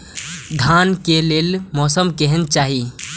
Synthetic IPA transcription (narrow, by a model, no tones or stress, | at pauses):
d̪ʱankeleːlmɔːsəmkɛɦɛnt͡ʃaːɦi